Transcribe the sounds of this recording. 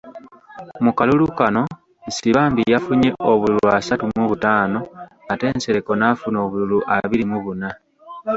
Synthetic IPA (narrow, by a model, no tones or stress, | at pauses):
mukalulukano̞ | siβaːmbijafuɲe̞ʔo̞βuluasatumuβutaːno̞ | ate̞ːnseɾeko̞nafuno̞ːβululuʔaβiɾimuβuna